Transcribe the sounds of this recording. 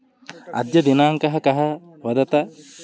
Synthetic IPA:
ɐ̰d̪jɐd̪enaːŋkɐɦɐkɐɦɐ | ʋɐd̪ɐt̪ɐ

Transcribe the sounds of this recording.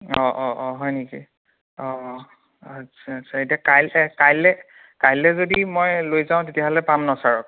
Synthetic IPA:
ɔʔɔʔɔɦɔjneki | ɔ | a | aasʰaetijakajlɛkajlɛ | kajlːɛzodimojlojzaʊ̃tetijaɦɔlɛpamnɔsaɹɔk

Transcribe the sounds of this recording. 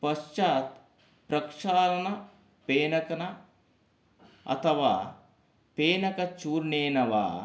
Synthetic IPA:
pɐʃt͡ʃaːt̪ | pɾɐkʂaːɾɐnɐ | peːnɐkɐnɐ | ɐ̰t̪ʰɐʋaː | peːnɐkɐt͡ʃuːɾneːnɐʋa̰ː

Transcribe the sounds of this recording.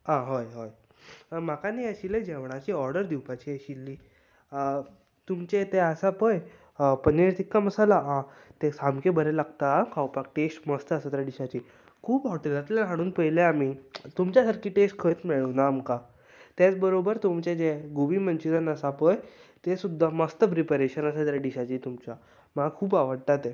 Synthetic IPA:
ãɦojɦoj | m̤akaniəɕiled͡ʑeʋɳ̃at͡ɕiɔɾɖəɾd̪iwpat͡ɕiəɕilːiː | t̪umt͡ɕet̪easapəj | pəneɾt̪ikːaməsalaã | t̪esamkebəɾɛlaɡt̪akʰawpak̚ʈesʈməst̪əəsət̪ɾaɖiɕat͡ɕi | kʰuːpaʋəɽt̪at̪at̪laɦaɽ̃uːnpəɦileamiːt̪umt͡ɕjasaɾkʰiːʈesʈkʰət͡smeɭəwnaːmka | t̪jat͡sbəɾobəɾt̪umt͡ɕed͡ʑeɡuʋiːmənt͡ɕid͡zənəsapəjt̪esud̪ʱːaməst̪əpɾipəɾeɕənəsət̪ɾjaɖiɕat͡ɕiːt̪umt͡ɕa | makʰuːpaʋəɽt̪at̪e

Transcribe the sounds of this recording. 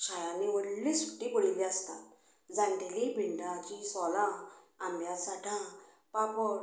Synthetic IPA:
ɕajãniʋəɽlisuʈːiːboɭiliast̪a̰t̪ | d͡zãnt̪ilibʱiɳɖãt͡ɕisɔlã | ambʱjasaʈʰã | papə

